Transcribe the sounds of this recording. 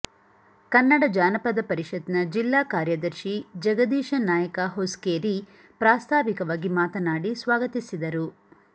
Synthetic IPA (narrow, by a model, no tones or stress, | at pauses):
kɐnːɐɽɐd͡ʒaːnɐpɐd̪ɐpɐɾiʃɐd̪nɐd͡ʒilːaːkaːɾjɐd̪ɐɾʃid͡ʒɐɡɐd̪iːʃɐnaːjɐkɐɦoskeːɾi | pɾaːst̪ʰaːʋikɐʋaːɡimaːt̪ɐnaːɽisʋaːɡɐt̪isid̪ɐɾu